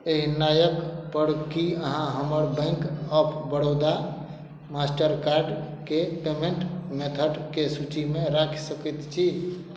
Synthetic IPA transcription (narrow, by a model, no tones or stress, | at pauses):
eɦinajəkpəɾkiəɦãɦəməɾbə̃ɪŋkəpʰbəɽ̤od̪a | masʈəɾkaɾɖkepemeɳʈmet̪ʰəɖkesut͡ʃimeɾakʰsəkit̪t͡ʃʰi